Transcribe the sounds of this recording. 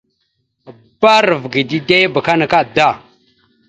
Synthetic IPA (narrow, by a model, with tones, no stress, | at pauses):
ba˦ɾə˨vɡi˨di˦de˦ba˨ka˦na˨ka˦da˦˨